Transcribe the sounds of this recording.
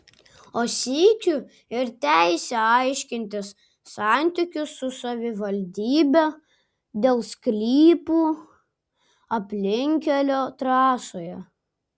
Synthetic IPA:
oːsʲiːkʲu | ɪɾt̪ʲæɪsʲɛɐɪʃʲkʲɪnʲt̪ʲɪsː | ɑˑnʲt̪ʲɪkʲʊsːʊsɐʋʲɪʋɐlʲd̪ʲiːbʲɛ | d̪ʲeːlˠsklʲiːpuː | ɐpʲlʲɪŋʲkʲɛlʲoːt̪ɾɑːsoːjɛ

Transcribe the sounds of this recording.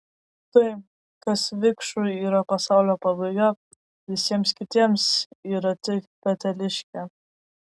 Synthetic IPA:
t̪ɐɪ | kɐsʋʲɪkʃʊiːɾɐpɐsɑˑʊlʲoːpɐbɐɡo | ʋʲɪsʲiɛmskʲɪt̪ʲiɛmsiːɾɐt̪ʲɪkpʲɛt̪ʲɛlʲɪʃʲkʲɛ

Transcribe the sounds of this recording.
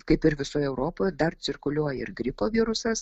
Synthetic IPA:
kɐɪpɪɾʋʲɪsoːjɛʊɾoːpoːjd̪ɐrt͡s̪ʲɪrkʊlʲuɔjɛɪrɡɾʲɪpoːʋʲiːɾʊsɐs

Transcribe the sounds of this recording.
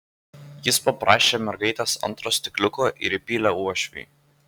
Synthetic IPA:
jɪspɐpɾɑːʃʲeːmʲɛɾɡɐɪt̪ʲesɐ̰nˑt̪ɾoːsʲt̪ʲɪklʲʊkoːʔɪ̰ɾɪpʲiːlʲɛuɔʃʲʋʲḭː

